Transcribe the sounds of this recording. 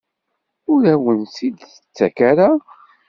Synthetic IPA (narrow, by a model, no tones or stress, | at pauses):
ʊɾæwənsid̪θət͡sːækæɾa